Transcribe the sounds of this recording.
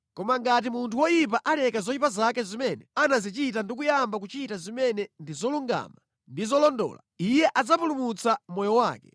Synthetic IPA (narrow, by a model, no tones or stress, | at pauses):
kɔmaŋɡat̬imuntʰuwɔjip̬aʔalɛkazɔipazakɛzimɛnɛanazit͡ʃitandik̬ujambak̬ut͡ʃitazimɛnɛndizɔluŋɡa̰ma | ndizɔlɔndɔ̰ːla̰ | ijɛʔad͡zapulumut͡samɔjɔwaːkɛ